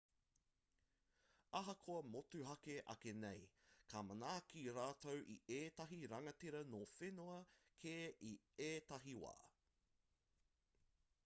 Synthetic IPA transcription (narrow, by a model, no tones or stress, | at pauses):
ɐɦɐkʰoɐmotʉɦɐkeʔɐ̰kenejkʰamɐnaːkiɾaːtowʔieːtɐɦiɾɐŋɐteɾɐnofenoɐkʰeːʔi | eːtɐɦiwa̰ː